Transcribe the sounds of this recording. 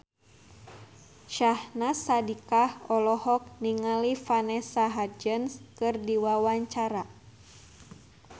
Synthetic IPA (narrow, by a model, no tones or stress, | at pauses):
ʃahnasadikahɔlɔhɔk̚niŋalifanɛsaɦad͡ʒənskɨrdiwawaɲt͡ʃaɾa